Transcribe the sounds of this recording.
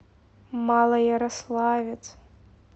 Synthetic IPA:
malˠɐjaɾaslˠavʲit͡sʼ

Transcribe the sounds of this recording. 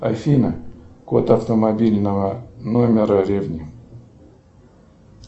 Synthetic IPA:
ɐfʲinəkot̪ɐft̪əmɐbʲilʲnəvənomʲɪɾəɾʲevnʲi

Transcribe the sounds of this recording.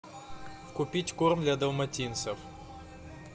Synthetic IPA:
fkʊpʲitʲkurmd̪lʲɐd̪ɐwmɐtʲinsɐw

